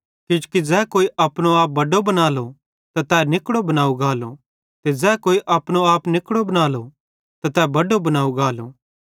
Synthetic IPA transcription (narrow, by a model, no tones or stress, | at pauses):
kɪd͡ʒukid͡ʒɛːkoːiʔɐpɽ̃oaːp̚bɐɖobɐnaːlo | t̪at̪ɛːnɪkɽobɐnaːuɡaːlo̰ | t̪ed͡ʒɛːkoːiʔɐpɽ̃oaːpnɪkɽobɐnaːlo | t̪at̪ɛːbɐɖobɐnaːuɡaːlo̰